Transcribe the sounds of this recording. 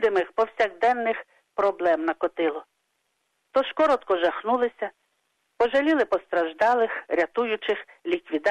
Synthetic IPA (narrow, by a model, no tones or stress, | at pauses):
d̪ɪmɪxpɔwsʲaɣd̪ɛnːɪx | pɾɔblˠɛmnɐkɔt̪ɪlˠɔ | t̪ɔʃkɔɾɔt̪kɔʒɐxnulˠɪsʲɐ | pɔʒɐlʲilˠɪpɔst̪ɾɐʒd̪ɑlˠɪxɾʲɐt̪ujʊt͡ʃɪxlʲikʋʲid̪